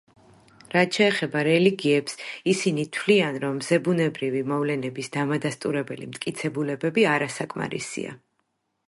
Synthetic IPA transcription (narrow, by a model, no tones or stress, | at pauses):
ɾat̪̚t͡ʃʰɛːχɛbaɾɛliɡiɛpsisinit̪ʰwlianɾɔmːzɛbunɛbɾivimɔvlɛnɛbisd̪amad̪ast̪ʼuɾɛbɛlimt̪ʼkʼit̪sʰɛbulɛbɛbiaɾasakʼma̰ɾḭsḭa̰